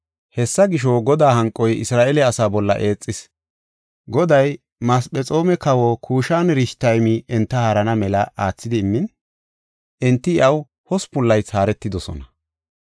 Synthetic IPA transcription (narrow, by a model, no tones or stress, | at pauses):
hɛsːɐɡɪʃ̬ɔɡɔd̪aːɦɐŋkʼɔjɪsɾaːʔelɛɐsaːbɔlːɐ̰ʔe̞ːt͡sʼːɪs | ɡɔd̪ɐj | mɐspɛt͡sʼo̞ːmɛkɐwɔkʰuːʃaːnɾɪʃt̪ɐjmiʔɛnt̪ːɐhɐɾɐnɐmɛlɐʔaːt͡sːɪd̪ɪːmːɪn | ʔɛnt̪ːɪɪɐw | hɔspʊlːɐjt͡saːɾɛt̪ːɪd̪ɔsɔ̰nɐ